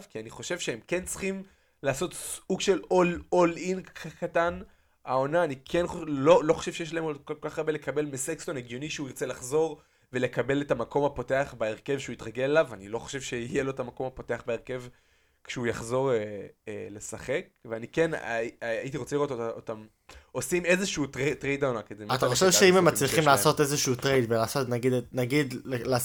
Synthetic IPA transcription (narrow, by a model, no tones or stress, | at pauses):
vkianiχo̞ʃe̞vʃeemke̞nt͡sχim | laːso̞tsuɡʃelololinʰakatan | ao̞naːnikʰe̞nχololo̞χoʃe̞vʃejeʃ̬laemokokokaχaʁbele̞kabe̞lmesekstoneɡjo̞niʃeuiʁt͡se̞laχzo̞ʁ | ve̞le̞kabe̞letamako̞mapo̞te̞aχbeeʁke̞vʃeuitʁaɡe̞lelavanilo̞χoʃevʃe̞ijelo̞etamako̞mhapo̞te̞aχbeeʁke̞v | kʃeujaχzo̞ʁeele̞saχe̞kveaniken̰ait̬iʁo̞t͡seiʁo̞t̪otaotam | osime̞zeʃuutʁetʁejd̪aonakezemat̪aχoʃevʃeimemːat͡sliχimlaːso̞tezeʃuutʁejd̪belaːsotnaɡidnaɡid̪lel